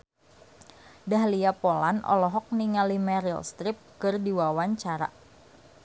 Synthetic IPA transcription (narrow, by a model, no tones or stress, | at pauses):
daɦliapola̰nʔɔ̰lɔɦɔk̚niŋalimɛɾilst̪ɾɪp̚kɨrdiwawaɲt͡ʃaɾa̰